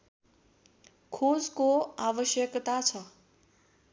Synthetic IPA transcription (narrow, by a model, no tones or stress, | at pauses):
kʰod͡zkoaʋəʃjəkt̪at͡ʃʰə